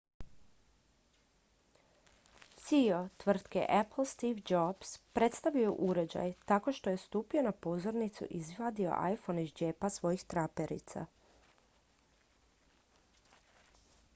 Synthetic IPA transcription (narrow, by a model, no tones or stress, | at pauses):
sio̞t̪ʋr̩t̪kḛʔepl̩st̪iʋd͡ʒobspɾe̞t̪st̪aʋijuʔuɾe̞d͡ʑa̰jt̪ako̞ʃt̪o̞je̞st̪uːpio̞napo̞zoɾnit̪sṵʔizʋad̪io̞̰ʔa̰jfo̞niʒd͡ʒepasʋo̞jixt̪ɾape̞ɾḭt̪sa̰